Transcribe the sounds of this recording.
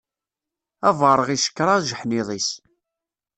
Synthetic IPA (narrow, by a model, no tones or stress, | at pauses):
ævəɾˤəʁiʃə̥kːɾˤɑʒəħniðˤis